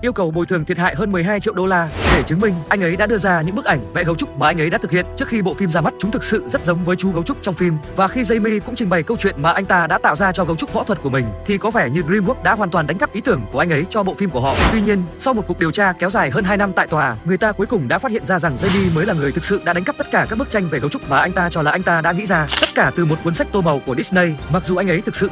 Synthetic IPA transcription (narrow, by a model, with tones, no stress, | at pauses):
ʔi˧əwkə˨˩wɓo˨˩jt̪ʰɨ˨˩əŋt̪ʰt̚ɦa̰ː˧˨jɦəː˧nmɨ˨˩əjɦaː˧jt͡ɕḭ˧˨əwɗo˧laː˧ɗe˧˩t͡ɕɨ˨˦əŋmï˧ŋ̟ʔa˧ŋ̟ʔə˨˦jɗa̰ː˧˥ɗɨ˧əzaː˧ɲɨ̰˧˥ŋɓɨ˦˥k̚ʔa˧˩ŋ̟vɛ̰˧˥ɣə˨˦wt͡ɕʊ˦˥k͡p̚maː˨˩ʔa˧jŋ̟ʔə˨˦jɗa̰ː˧˥t̪̚ʰhḭ˧˨ənt͡ɕɨ˦˥ək̚xi˧ɓo̰˧˨fi˧mzaː˧ma˦˥t̚t͡ɕʊ˨˦ŋ͡mt̪ʰɨ˨˩k̚sɨ̰˧˨zə˦˥t̚zə˨˦wŋ͡mvəː˨˦jt͡ɕu˨˦ɣə˨˦wt͡ɕʊ˦˥k͡p̚t͡ɕɔ˧wŋ͡mfi˧mvaː˨˩xi˧zə˧jmi˧kʊ̰˧˥ŋ͡mt͡ɕï˨˩ŋ̟ɓa˨˩jkə˧wt͡ɕwḭ˧˨ənmaː˨˩ʔa˧jŋ̟t̪aː˧ɗa̰ː˧˥t̪a̰ː˧˨wzaː˧t͡ɕɔ˧ɣə˨˦wt͡ɕʊ˦˥k͡p̚vɔ̰˧˥t̪ʰwə˨˩t̚ku˧˩əmï˨˩ŋ̟t̪ʰi˨˩kɔ˨˦fɛ˧˩ɲɨ˧ɣɾi˧mɓu˦˥ək̚ɗa̰ː˧˥ɦwaː˨˩nt̪waː˨˩ɗŋkp̚ʔi˨˦t̪ɨ˧˩əŋku˧˩əʔa˧ŋʔə˨˦jt͡ɕɔ˧ɓo̰˧˨fi˧mku˧˩əɦɔ̰˧˨t̪wi˧ɲi˧ənsa˧wmo˨˩ku˨˩k̚ɗi˨˩wt͡ɕaː˧kɛ˨˦wzaː˨˩jɦəː˧nɦaː˧jna˧mt̪a̰ː˧˨jt̪waː˨˩ŋɨ˨˩əjt̪aː˧ku˨˦əjkʊ˨˩ŋ͡mɗa̰ː˧˥faː˦˥hḭ˧˨ənzaː˧za˨˩ŋzə˧jmi˧məː˨˦jla˨˩ŋɨ˨˩əjt̪ʰɨ˨˩k̚sɨ̰˧˨ʔɗa̰ː˧˥ɗa˨˦ŋkə˦˥p̚t̪ə˦˥t̚kaː˧˩kaː˦˥k̚mɨ˦˥t͡ɕa˧jŋ̟ve˨˩ɣə˨˦wt͡ɕʊ˦˥k͡p̚vaː˨˩ʔa˧jŋt̪aː˧t͡ɕɔ˧laː˨˩ʔa˧jŋ̟t̪aː˧ɗa̰ː˧˥ŋḭ˧˥zaː˧t̪ə˦˥t̚kaː˧˩t̪ɨ˨˩mo˨˩t̚kwənsa˦˥k̟̚t̪o˧mə˨˩wku˧˩ɗi˦˥snə˧jma˨˩k̚zu˨˩ʔa˧ŋʔə˨˦jt̪ʰɨ˨˩k̚sɨ̰˧˨